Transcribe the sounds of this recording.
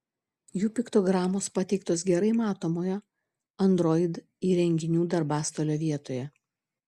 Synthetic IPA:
juːpʲɪkt̪oɡɾɑːmoːspɐt̪ʲɛɪk̚t̪oːsɡʲɛɾɐɪmɑːt̪oːmoːjɛ | ɐnd̪ɾɔɪd̪ | iːɾʲɛŋʲɡʲɪnʲuːd̪ɐɾbɑːst̪oːlʲoːʋʲiɛt̪oːjɛ

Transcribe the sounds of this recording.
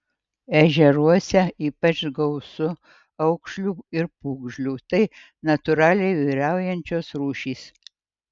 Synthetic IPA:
ɛʒʲɛɾuɔsʲɛiːpɐt͡ʃɡɐʊsʊ | ɐʊkʃʲlʲuːɪɾpuːɡʒʲlʲuːt̪ɐɪ | nɐt̪ʊɾɑːlʲɛɪʋiɪɾʲæˑʊjɛnʲt͡ʃʲoːsɾuːʃʲiːs

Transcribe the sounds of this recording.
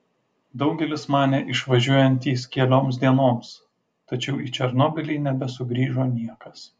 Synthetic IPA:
d̪ɒʊɡʲɛlʲɪsmɑːnʲɛʔɪʃʋɐʒʲuɔjɛnʲt̪ʲiːsʲkʲiɛlʲoːmsd̪ʲiɛnoːms | t̪ɐt͡ʃʲɛʊit͡ʃʲɛɾnoːbʲɪlʲiːnʲɛbʲɛsʊɡɾʲiːʒoːnʲiɛkɐs

